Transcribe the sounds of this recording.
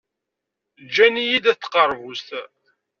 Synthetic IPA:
d͡ʒænijid̪æθːqəɾˤvust̪

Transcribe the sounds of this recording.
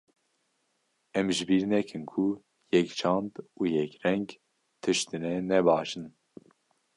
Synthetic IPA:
ɛmʒbiɾnɛkʰɨnkʰu | jɛkt͡ʃʰɑnd̪ujɛkɾɛŋɡ | t̪ʰɨʃt̪ɨnɛnɛbɑːʃɨn

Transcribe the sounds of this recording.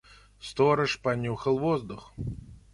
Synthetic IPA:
st̪ɔɾɨʂpanʲuxəlˠvɔzd̪ʊx

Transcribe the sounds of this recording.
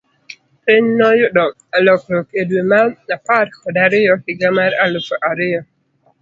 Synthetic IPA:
pɪɲnɔjʊdɔk | alɔkɔkedwemaapaɾkɔdaɾɪjɔhɪɡamaɾalokɔʔaɾɪjɔ

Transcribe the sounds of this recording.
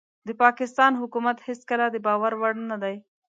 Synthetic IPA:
d̪əpɑkɪst̪ɑːnɦʊkumat̪hɪskəlad̪əbɑwaɾwaɽnad̪aj

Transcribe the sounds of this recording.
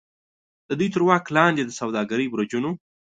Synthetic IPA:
d̪əd̪ujt̪əɾwɑːklɑnd̪ed̪əsawd̪ɑɡaɾəjbɾad͡ʒuno

